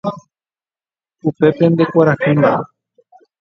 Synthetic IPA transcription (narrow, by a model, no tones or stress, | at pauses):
upe̞pend̪e̞kʷaɾahɨna